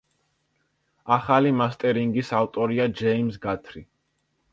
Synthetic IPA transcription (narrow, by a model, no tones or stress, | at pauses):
aχalimast̪ʼɛɾiŋɡisaft̪ʼɔɾiad͡ʒɛimsɡat̪ʰɾi